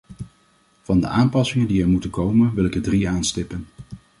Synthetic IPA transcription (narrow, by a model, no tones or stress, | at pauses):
v̥ɑndə̰ʔaːmpɑsɪŋəndiɛɹmutəkowmənʋɪlˠɪɡ̚dədriaːnstɪpən